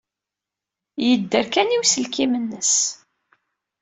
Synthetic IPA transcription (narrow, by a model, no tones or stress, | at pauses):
jəd̪ːəɾkæniwsəlkimənːəs